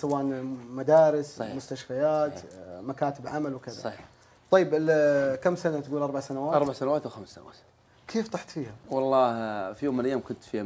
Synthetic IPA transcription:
sawaːʔnmad̪aːɾɪsmʊst̪aʃfajaːt̪makaːt̪ɪbʕamalwkɪðsa̰ˤɑħi | t̪ˤɑjːɪbɪlkamːsanat̪ɡuːlʔɑɾˤbaʕsanawaːtɑɾˤbaʕsanawaːt̪wxamsːa̰nawa̰ːt̪ | kʰeːft̪ˤɑħt̪fiːhawɑlˤːɑːfijoːmːɪnlʔajaːmkʊnt̪fi

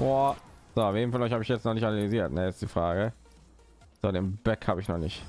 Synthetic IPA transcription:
oz̥oːafveːnfɔnʔɔʏçhaːbəɪçjɛt͡stnɔʁnɪçtanaliziːɐtnəjɛstd̥iːfʁ̥aːɡə | z̥oːdeːnbɛkhaːbəɪçnɔχnɪçt

